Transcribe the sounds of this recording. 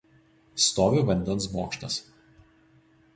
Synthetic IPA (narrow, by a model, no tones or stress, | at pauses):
st̪oːʋʲɪʋɐnʲd̪ʲɛnˑs̬moːkʃt̪ɐs